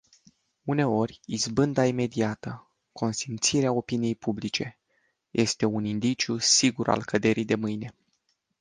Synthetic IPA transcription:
une̞o̞rʲizbɨnd̪aime̞d̪iat̪ə | kʰo̞nsint̪siɾeao̞pinije̞jpublit͡ʃe̞ | jʔe̞st̪e̞unind̪it͡ʃiusiɡuɾa̰lkəd̪e̞ɾijd̪e̞mɨjne̞

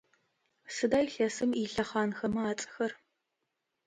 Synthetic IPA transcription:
sɨdaːjɬɐsɨmiɬɐχɑːnxɐmɐaːt͡sʼɐ̥xɐr

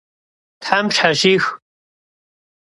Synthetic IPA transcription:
tħamʃħaʒiːx

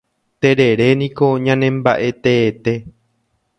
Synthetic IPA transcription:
t̪e̞ɾe̞ɾe̞nĩko̞ɲãnẽmbaʔe̞t̪e̞ːt̪e̞

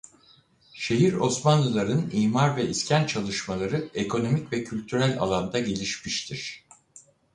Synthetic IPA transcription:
ʃe̞ɦiɾo̞smanlˠɯlˠaɾɯniːmaɾvɛiscʰænt͡ʃʰalˠɯʃmalˠaɾɯe̞kʰo̞no̞micvɛcʰylʲt̪ʰyɾælʲa̰lˠand̪aɟe̞lʲiʃmiʃt̪ʰiɾ̝̥

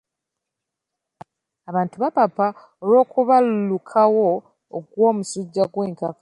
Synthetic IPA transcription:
aβaːntuβapapa | olo̞ːkuβalulukʰawo̞ː | ɡwo̞ːmusuɟːaɡwe̞ːŋkakḁ

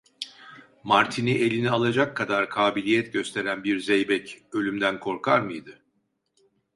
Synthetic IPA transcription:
maɾt̪ʰiniʔe̞lʲinialˠad͡ʒakʰːad̪aɾkʰaːbilʲijɛt̪ɟø̞st̪ʰe̞ɾænbiɾzɛjbɛcø̞lʲymd̪ænkʰo̞ɾkʰaɾmɯjd̪ɯ

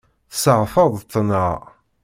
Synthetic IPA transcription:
θsəʁfəðˤt̪ːənə

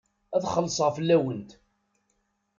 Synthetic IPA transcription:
æðχəlːsˤəʁfəlːæwənt̪

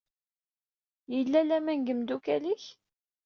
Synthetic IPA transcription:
jəlːælæmænɡəmd̪ukæliç

